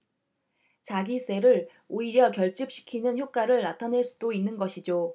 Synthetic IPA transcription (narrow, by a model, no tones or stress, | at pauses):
t͡ɕaɡis͈e̞ɾɯɾ | oiɾjʌkjʌɭt͡ɕ͈ɯp̚ɕ͈ʰi̥kʰinɯnçjop̚k͈aɾɯɭnatʰaneɭs͈udoinːɯnɡʌɕʰid͡ʑo